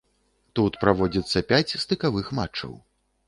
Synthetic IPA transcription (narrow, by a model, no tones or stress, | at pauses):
t̪ut̪pɾavɔd͡zʲit̪sːɐpʲat͡sʲst̪ɨkavɨxma̰t͡ʂːɐ̰w